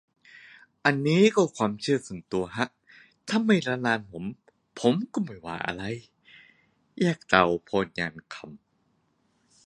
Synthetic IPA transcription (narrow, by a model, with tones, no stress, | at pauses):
ʔa˧nːiː˦˥kɔː˧˩kʰwaː˧mt͡ɕʰɯː˥˧˩ɐsu˨˩ənt̪u˧ɐɦa˦˥ʔ | t̪ʰa˧˥˨mːa˧˩jɾaː˧laː˧npʰo˨˩˦m | pʰo˨˦mkɔ˥˧˩ma˨˩jwa̰ː˨˩˦ʔa̰˧ɾa˧j | jaː˧˩k̚ta˨˩wpʰɔː˧nɲaː˧nkʰa˧˩m